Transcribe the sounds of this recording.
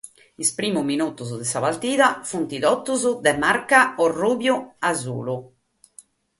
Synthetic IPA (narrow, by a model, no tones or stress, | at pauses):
ispɾiːmuminut̪uzd̪ɛsaβaɾt̪iːðafunt̪iðɔt̪ːuzud̪ɛmaɾkaɔruːβjuazṵːlu